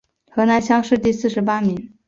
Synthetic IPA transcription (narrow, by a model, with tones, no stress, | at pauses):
xɤ˧˥na˧˥ɪɕjɑ˥ŋʂɻ̩˥˧t̪i˥˧sɹ̩˥˩ʂɻ̩˧˥pa˥mi˧˥ŋ